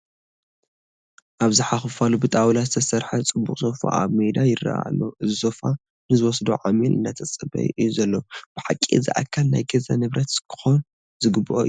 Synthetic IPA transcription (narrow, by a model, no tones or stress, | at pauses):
ʔaβzɨħaxɨfalubɨt̪ʼawlazɨt̪ʰɐsɐɾħɐt͡sʼɨbːukʼsofa̰ʔa̰βmed̪ajɪra̰ʔa̰loʔɨzɨzofa | nɨzɨwɔsd̪oʕamilʔɨ̰nːat̪ʰɐt͡sʼɐbɐ̰j̰ʔɨjːuzɐlːob̥ɨħakʼːiɨzɨ̰ʔa̰kʰːalna̰jɡɐzɐ̰nɨβɾɐt̪kʰɨ̥xon | zɨɡɨbːɨʔo̰